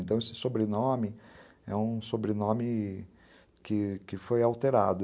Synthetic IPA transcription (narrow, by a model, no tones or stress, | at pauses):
ent̪ɐ̃w̃esɪ̥sobɾenõmɪ | ɛũsobɾenõmɪ | kɪkɪfojawt̪eɾad̪ʊ